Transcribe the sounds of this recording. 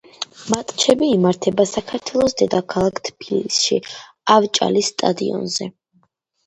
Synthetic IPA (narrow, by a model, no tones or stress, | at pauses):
mat̪ʼt͡ʃʰɛbiːmaɾt̪ʰɛbasakʰaɾt̪ʰwɛlˠɔsd̪ɛd̪akʰalˠakʰt̪ʰbilisʃi | avt͡ʃʼa̰lisːt̪ʼa̰d̪iɔ̰nzɛ